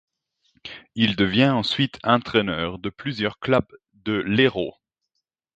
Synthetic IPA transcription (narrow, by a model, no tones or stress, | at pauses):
ild̪əvjɛ̃ɑ̃sɥit̪ʰɛ̃t̪χɛnœːʁd̪əplyzjœʁklab | d̪əleʁo̰